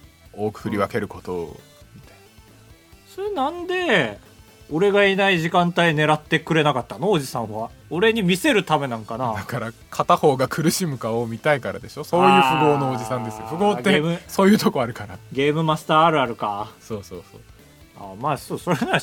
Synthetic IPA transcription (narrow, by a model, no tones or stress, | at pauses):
oːkɯ̟̥kɯ̟ɾʲiβake̞ɾɯ̟ko̞t̪o̰ | mit̪ain | soɾenãnd̪e̞ | o̞ɾe̞ɡainaiʑikãnt̪aine̞ɾat̪ːe̞kɯ̟ɾe̞nakat̪ːanoːd͡ʑisãɰ̃βaoɾe̞ɲ̟imʲise̞ɾɯ̟t̪ame̞nãŋkanad̪akaɾa | kʰat̪aho̞ːɡakʰɯ̟ɾɯ̟ɕimɯ̟kaomʲit̪aikaɾa̰d̪e̞ɕo̞soːjɯ̟ːɸɯ̟ɡoːnoːd͡ʑisãnd̪e̞sɨjofɯ̟ɡoːɡ̪ːemɯso̞ːjɯ̟ːt̪okoaɾɯ̟kaɾaɡe̞ːmɯ̟masɨ̥t̪aːɾɯ̟aɾɯ̟kasoːsoːso̰ː | a̰maːsoːso̞ɾenã